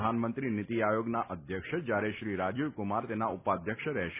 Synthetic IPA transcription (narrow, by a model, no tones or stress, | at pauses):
anmənt̪ɾinɪt̪iajoɡnaʔəd̪ʱjəkʃəd͡ʒjaɾeʃɾiɾad͡ʒuʋkʊmaɾt̪enaupad̪ʱjəkʃəɾɛɦʃ